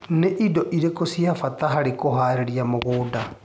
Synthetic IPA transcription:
neʔidɔʔiɾekosiafataɦaɾikoɦaːɾeɾiamoɣoːda

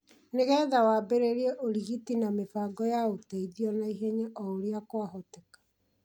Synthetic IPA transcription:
neɣɛːðawaːbeɾeɾieʔoɾiɣitinamefaɡɔjaotaiðiɔnaiɦeɲeʔɔoɾiakwaɦotekḁ

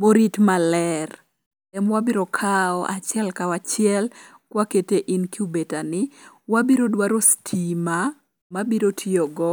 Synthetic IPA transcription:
moɾitmalɛr | ɛmwabiɾokʰaɔʔa̰t͡ʃɪɛlkawat͡ʃɪɛl | kwaketeʔinkiubetanɪwabiɾodwaɾostʰima | mabiɾotʰiɔɡɔ

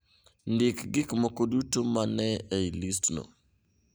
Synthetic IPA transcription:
ndɪkɡɪkmokodutomanɛeilistno̰

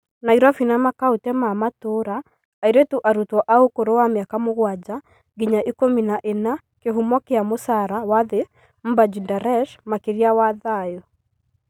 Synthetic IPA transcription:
naiɾafinamakaotɛmamatoɾaː | iɾetuʔaɾutwɔʔaokoɾowameakamoɣwad͡ʑa | ɡiɲaʔikominaʔena | keɦumɔkeamosaɾawaðe | m̩bad͡ʒindaɾɛʃmakeɾiawaðajɔ

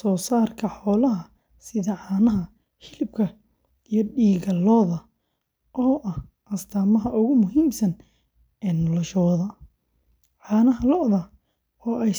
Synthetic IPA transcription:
sɔːsaːrkʰɐħɔːlɐɦɐ | sɪðɐʕaːnɐɦɐ | hɪlɪb̚kʰɐ | ijɞɖiːɣɐlɔːðɐ | ʔɔːʔɐh | ʔɐst̪ʰaːmɐɦɐʔʊɣʊmʊɦiːmsɐn | ɛːnɔlɔʃɔːðɐ | ʕɑːnɐɦɐlɔʔðɐ | ɔːʔɛj

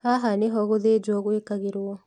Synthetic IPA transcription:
haɦaneɦɔɣoðeːd͡ʒwɔɣwekaɣeɾwɔ

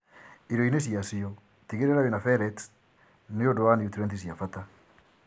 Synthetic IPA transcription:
iɾoines̬iasiɔ | tiɣeɾeɾawenafɛɾɛt | neodowaneut̪uɾɛnt̪isjafata

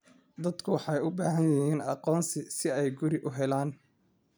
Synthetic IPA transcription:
d̪ɐd̪kʰʊwɑħɑjʊbaːɦɐnjɐɦiːnɑ̰qɔːnsɪsɪɛjɡʊɾɪʔʊɦɛlaːn

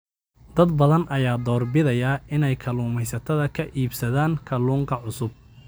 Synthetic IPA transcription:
d̪̥ɐd̪bɐðɐnʔɐjaːd̪ɔːrbɪðɐjɐɪnɛjkʰɐluːmɛjsɐt̪ʰɐðɐkʰɐʔiːbsɐðaːŋkʰɐluːŋkʰɐʕʊsʊb̚

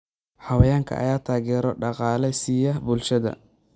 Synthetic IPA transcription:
ħɑwɐjaːŋkʰɐ̰ʔɐ̰jaːt̪ʰaːɣɛːɾɔɖɑqɑːlɛsijɐbʊlʃɐðɐ̰

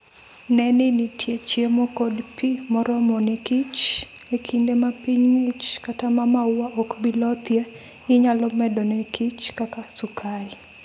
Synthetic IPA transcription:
nɛnɪnɪtʰjet͡ʃjemɔkodpimɔɾɔmɔnekit͡ʃ | ekʰindemapiɲŋit͡ʃkatamamawaʔokbilɔt̪je | ɪɲalɔmɛdɔnekʰit͡ʃkakasʊkʰaɾi

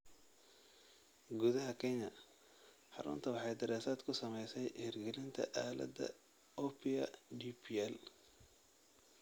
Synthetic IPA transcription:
ɡuðɐɦɐkʰɛɲɐ | ħɑ̰ɾʊ̰nt̪ʰɐwɑħɑjd̪ɐɾɛːsaːd̪kʰʊsɐmɛjsɛjhɪrɡɛlɪnt̪ʰɐ̰ʔaːlɐ̰d̪ɐ̰ | ɔpʰɪɐɖipʰiɛl

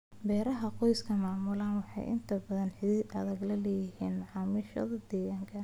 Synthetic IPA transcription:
bɛːɾɐɦɐqɔjskʰɐmaːmʊlaːnwɑħɑ̰jʔɪ̰nt̪ʰɐbɐðɐnħɪiːɐðɐɡlɐlɛːjɪhḭːnʕɑːmɪʃɐ̰ðɐd̪ɛːɣaːŋkʰɐ

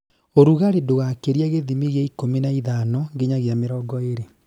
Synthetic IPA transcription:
oɾuɣaɾedoɣakeɾiaɣeðimiɣjaikomenaiðanɔŋɡeɲaɣjameɾɔɡɔeɾe

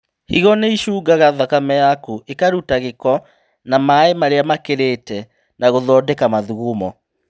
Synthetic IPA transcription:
hḭɣɔneiʃuːɡaɣaðakamɛjakuʔekaɾutaɣekɔ | namaemaɾeamakeɾeːtɛ | naɣoðɔːdɛkamaðuɣumɔ

